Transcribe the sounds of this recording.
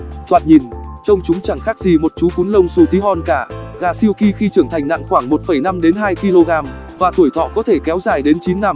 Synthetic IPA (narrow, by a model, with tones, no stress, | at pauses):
t̪wa̰ː˧˨nɲi˨˩nt͡ɕə˧wŋ͡mt͡ɕʊ˨˦ŋ͡mt͡ɕa˧˩ŋxaː˦˥k̚zi˨˩mo˨˩t̚t͡ɕu˨˦ku˨˦nlə˧wŋ͡msu˧t̪i˨˦ɦɔ˧nkaː˧˩ɣaː˨˧˩si˧əwki˧xi˧t͡ɕɨ˧˩əŋt̪ʰa˨˩jŋ̟na̰˧˨ŋxwaː˧˩ŋmo˨˩t̚fə˧˩jna˧mɗe˨˦nɦaː˧jki˧lo˧ɣaː˧m | vaː˨˩t̪ʰu˧˩əjt̪ʰɔ̰˧˨kɔ˨˦t̪ʰe˧˩kɛ˨˦wzaː˨˩jɗe˨˦nt͡ɕi˨˦nːa˧m